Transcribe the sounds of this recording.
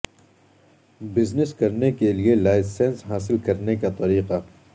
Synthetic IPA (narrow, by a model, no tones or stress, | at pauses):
bɪznɪskɐɾnekelielaːɪsẽːnsɦaːs̬ɪlkɐɾnekat̪ɐɾiːqa